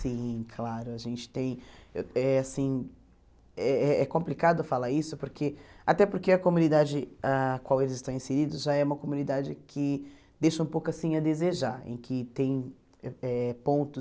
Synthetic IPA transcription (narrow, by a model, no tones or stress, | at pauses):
sĩkʰlaɾʊaʒẽnt͡ʃɪ̥t̪ẽj̃eɛasĩ | ɛɛɛkõplikad̪ʊfalaɾisʊpoɾkʰea̰t̪ɛpoɾkeɐkomũnid̪ad͡ʒɪakwawelɪzɪst̪ɐ̃w̃ĩseɾid̪ʊzʒaɛũmɐkomũnid̪ad͡ʒɪkʰɪ | d̪ejʃɐũpowkʊasĩɐd̪ezeʒaɾḛ̃kʰɪt̪ẽj̃ | ɛɛpõnt̪ʊ